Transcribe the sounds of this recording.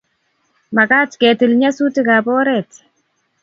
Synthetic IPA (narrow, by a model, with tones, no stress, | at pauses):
ma˨ka˦tkɛ˨tɪ˨lɲa˦su˦ti˦ka˨bɔ˦ɾɛt